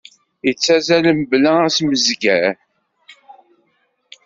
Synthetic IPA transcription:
jət͡sːæzæləmblææsməzɡæɾ

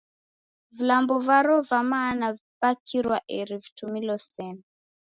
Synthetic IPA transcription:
vilambɔvaɾɔvamanavibakʰiɾwa̰ʔɛɾivitumilɔsɛna

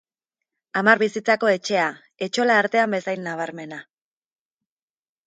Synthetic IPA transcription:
amaɾβisit͡sako̞e̞t͡ʃe̞a | e̞t͡ʃo̞laːɾt̪e̞ambe̞sajnːaβ̞aɾme̞na

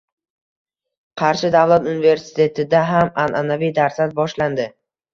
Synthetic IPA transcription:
qʰɑɾʃɪd̪avlˠat̪unɪve̞ɾsɪ̥t̪ʰe̞t̪ʰɪd̪aɦamanʔanavijd̪aɾsat̪̚bɒʃland̪ɪ

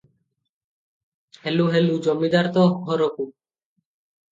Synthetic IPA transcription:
heluɦelud͡ʒɔmːid̪aɾt̪ɔɦɔɾoku

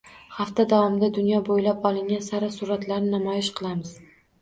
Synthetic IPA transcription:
haft̪ad̪avɒmɪd̪ad̪ʊnjɒbojlapɒlˠɪŋʲansaɾasʊɾat̪laɾnɪnamɒjɪʃqʰɨlˠamɪz̥

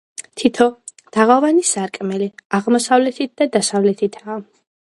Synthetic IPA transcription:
t̪ʰit̪ʰɔ | d̪̥aʁavanisaɾkʼmɛliaʁmɔsavlɛt̪ʰit̪̚d̪ad̪asavlɛt̪ʰit̪ʰaː

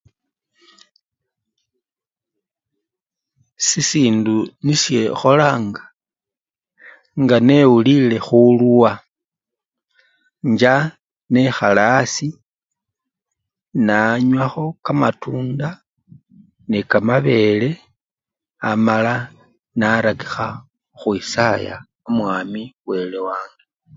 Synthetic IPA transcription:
sisiːndunisje̞xo̞laːŋɡḁ | ŋɡane̞wulile̞xulwa | ɲd͡ʒa | ne̞xalasi | naɲwaxo̞kamatuːnda | nikamaβe̞le̞ | amala | naɾaki̥xa | xwisaja̰ | omwaːmiwe̞lewaːŋɡe

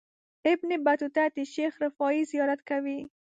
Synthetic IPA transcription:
ɪbnebat̪ut̪at̪iʃexɾɪfɔizijɑɾat̪kawi

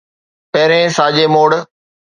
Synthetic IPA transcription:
pɛːɾẽsaːd͡ʑeːmoːɽ

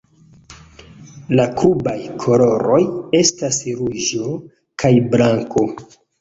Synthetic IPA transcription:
lakʰubajkʰo̞lo̞ɾo̞je̞stasɾuʒo̞ | kʰajblaŋko̞

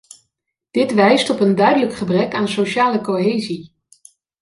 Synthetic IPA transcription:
d̥ɪtʋɛjstɔpəndœɥdələkχəbrɛkaːnsoʃaːləkoɦeːzi

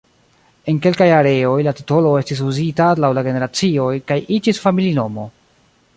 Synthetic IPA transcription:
e̞nke̞lkajaɾe̞o̞jlati̥to̞lo̞e̞stis̬uzitalawlaɡe̞ne̞ɾat͡sio̞jkajid͡ʒisfamilino̞mo̞

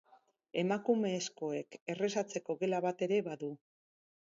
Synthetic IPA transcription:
e̞makume̞ːsko̞e̞ke̞re̞sat͡se̞ko̞ɣe̞laβat̪e̞ɾeβaðu

